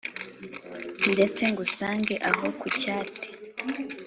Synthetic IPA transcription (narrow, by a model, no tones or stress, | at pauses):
ndet͡seŋɡusaːŋɡeʔaɦokucaːte̥